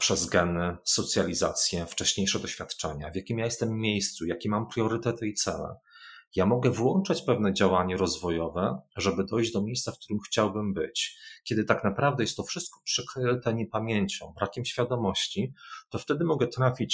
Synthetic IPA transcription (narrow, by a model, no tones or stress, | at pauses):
pʂɛzɡɛnɘsɔt̪sʲjalʲiza̰t̪sʲjɛft͡ʂɛɕɲejʂɛd̪ɔɕfʲjat̪t͡ʂɛ̰ɲa̰vʲjakʲimjajɛst̪ɛmːʲjejst̪sujakʲimːampɾʲjɔɾɘt̪ɛt̪ɘit̪sɛ̰lɛ̰ | jamɔɡɛvwɔnt͡ʂat͡ɕpɛvnɛd͡ʑawaɲɛɾɔzvɔjɔvɛʐɛbɘd̪ɔjʑd͡ʑd̪ɔmʲjejst̪safk̚t̪uɾɘmxt͡ɕawbɘmbɘt͡ɕkʲjɛd̪ɘt̪aknapɾavd̪ɛjɛst̪ːɔfʂɘst̪̚kɔ̥pʂɛkɾɘt̪ɛɲɛpamʲjeɲt͡ɕɔ̰̃w̃bɾakʲɛmɕfʲjad̪ɔmɔɕt͡ɕit̪ɔft̪ɛd̪ɘmɔɡɛt̪ɾafʲit͡ɕ